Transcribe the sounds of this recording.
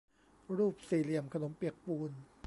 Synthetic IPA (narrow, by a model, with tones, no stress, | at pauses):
ɾuː˥˩p̚siː˨˩li˨˩əmkʰa˧no˨˩˦mpi˨˩ək̚puː˧n